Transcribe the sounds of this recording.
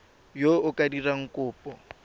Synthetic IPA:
joʊkʼadiraŋ̩kʼʊːpʼɔ

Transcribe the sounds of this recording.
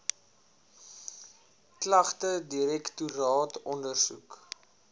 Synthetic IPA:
klɐχtədiɾɛktuɾɑːtɔndərsṵk

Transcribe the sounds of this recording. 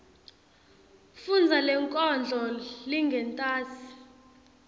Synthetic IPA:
fund͡zʱalɛŋkʼɔnd͡ɮʱɔliŋɡʱɛntʼaːsi̥

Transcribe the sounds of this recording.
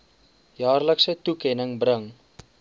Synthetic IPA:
jɑːrləksətukɛnəŋbrəŋ

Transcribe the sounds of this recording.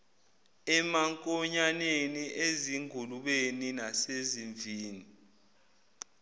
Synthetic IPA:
ɛmaŋkʼɔɲaneniʔeziŋɡʱuluɓeninaseziɱvʱiːni

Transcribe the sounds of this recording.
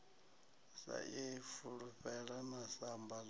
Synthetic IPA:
sa̰ʔifuɺuɸɛɺanasambal

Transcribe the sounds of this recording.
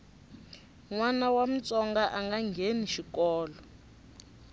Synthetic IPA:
ŋwanawam̩t͡sɔŋɡaʔaŋɡaŋɡʱeniʃikɔːlɔ

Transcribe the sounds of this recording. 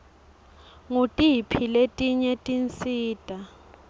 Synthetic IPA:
ŋutʼipʰiletʼiɲɛtʼint͡sʼiːtʼa

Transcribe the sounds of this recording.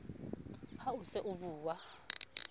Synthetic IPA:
ausɛʔuɓuːwa

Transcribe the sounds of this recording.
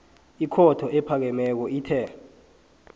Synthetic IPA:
ikʰɔtʰɔʔɛpʰak̬ɛmɛk̬ɔiːtʰɛː

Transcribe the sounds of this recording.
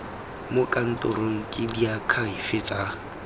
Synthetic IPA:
mʊkʼan̩tʼʊɾoŋ̩kʼɪdiakʰaifɪt͡sʼa

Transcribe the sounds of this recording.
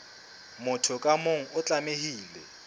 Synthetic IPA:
mʊtʰʊkʼamoŋ̩ʊt͡ɬʼamehiːlɛ

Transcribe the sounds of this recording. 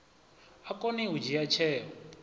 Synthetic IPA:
akʼɔniɦud͡ʒijat͡ʃʰɛːɔ

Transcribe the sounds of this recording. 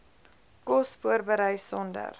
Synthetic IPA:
kɔsfuəɾbəɾəjsɔndə̰r

